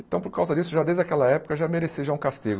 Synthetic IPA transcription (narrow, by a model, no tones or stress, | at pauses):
ẽt̪ɐ̃w̃poɾkawzɐd͡ʒisʊʒad̪ezd͡ʒɪakɛlɐɛpʊ̥kɐʒameɾesiʒaũkast̪iɡʊ